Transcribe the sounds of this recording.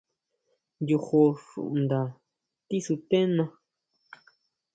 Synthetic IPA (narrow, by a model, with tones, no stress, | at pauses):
nju˧xo˧ʂṵ˨ʔnd̪a˨ | t̪i˦su˧t̪ẽ˦nã˧